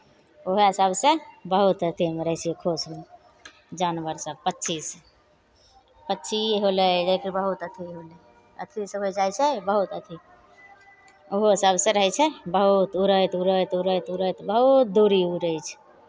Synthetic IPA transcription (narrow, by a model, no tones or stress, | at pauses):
oɦeɦəsəbsẽbəɦut̪ət̪ʰimeɾəɦsijekʰosme | d͡ʒanʋəɾsəb̚pətːt͡ʃʰis | pətːt͡ʃʰiɦoləd͡ʒəjkəɾbəɦut̪ət̪ʰiɦolɛ | ə̰t̪ʰisəbəd͡ʒajt͡ʃʰɛbəɦut̪ət̪ʰi | oɦoɦəsəbsẽɾəɦɛt͡ʃʰɛbəɦut̪uɾəjt̪uɾət̪uɾət̪uɾət̪bəɦut̪̚d̪uɾiuɾəjt͡ʃʰ